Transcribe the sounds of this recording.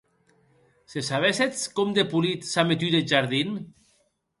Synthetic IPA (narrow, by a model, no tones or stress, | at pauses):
sesaβeset͡skɔmd̪epulit̪samet̪yðeʒaɾðin